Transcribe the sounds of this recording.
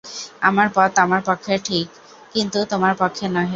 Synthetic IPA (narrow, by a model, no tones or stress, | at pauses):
a̰maɾpɔt̪amaɾpokʰːeʈʰikː | int̪ut̪omaɾpokʰːenɔɦe